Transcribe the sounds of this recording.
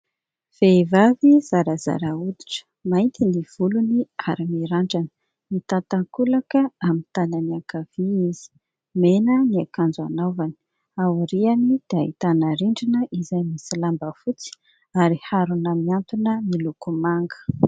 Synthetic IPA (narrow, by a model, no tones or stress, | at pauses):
v̥eivaviz̥aɾaza̰ɾaud̪i̥ʈ͡ʂə̥ | majnt̪iniv̥uluniaɾimiɾaɳɖ͡ʐanə̥ | mit̪at̪aŋkulakəamint̪ananiakav̥iiz̥i̥ | menəniakand͡zua̰navani̥ | awɾianid̪̥ea̰it̪anaɾiɳɖ͡ʐinəʔizajmisilambəfut͡si̥ | aɾihaɾunəmiant̪unəmilukumaŋɡə̥